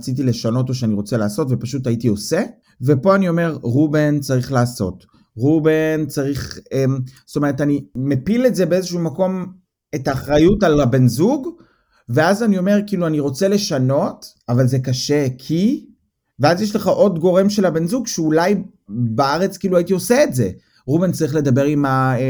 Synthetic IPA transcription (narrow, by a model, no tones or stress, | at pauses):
t͡sit̬ile̞ʃano̞toʃ̬eaniʁo̞t͡selaːso̞tve̞paʃutaitio̞se | vepo̞anio̞me̞ʁʁubent͡saʁiχlaːso̞̰t | ʁubent͡saʁiχemst̪omeetanimepile̞tze̞beezeʃuumako̞m | etaːχʁajutalabe̞nzuɡ | ve̞azanio̞me̞ʁkiːluaniʁo̞t͡se̞le̞ʃano̞t | avalze̞kaʃekʰi | veazjeʃ̬leχaʔo̞dɡo̞ʁe̞mʃe̞lhabe̞nzuɡʃeulaj | baaʁe̞t͡skiːluajitioseetze̞̰ | ʁubent͡saʁiχle̞dabe̞ʁima